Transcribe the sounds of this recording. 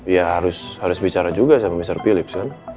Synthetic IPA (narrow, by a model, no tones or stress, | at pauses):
jaɦaɾʊshaɾʊsbit͡ʃaɾad͡ʒuɡasamamisarpilɪp̚san